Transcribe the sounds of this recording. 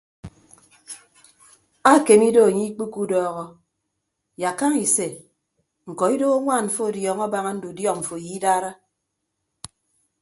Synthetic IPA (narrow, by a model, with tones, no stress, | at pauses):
a˦˨ke˨mi˦do˦a˨ɲi˦k͡pi˦ku˦dɔː˦ɣɔ˦ | ja˨ka˦ŋi˨se˨ | ŋ̩˨kɔ˨i˦do˦a˦ŋʷaː˦˨n̩˨fo˦˨djɔ˨ŋɔ˦ba˦ŋa˦n̩˦du˨djɔ˦kɱ̩˨fo˨ji˦daː˦ɾa˦